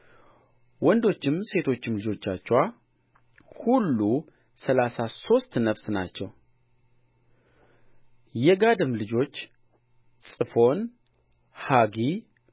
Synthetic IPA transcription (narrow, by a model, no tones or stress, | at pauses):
wɔnd̪o̞t͡ʃːɪmse̞t̪ʰo̞t͡ʃːɪmlɨd͡ʒo̞t͡ʃːat͡ʃːwa | hulːu | səlasaso̞st̪nəfsna̰t͡ʃːɛw | jɛɡad̪ɨmlɨd͡ʒo̞t͡ʃː | sʼɨfo̞n | haɡi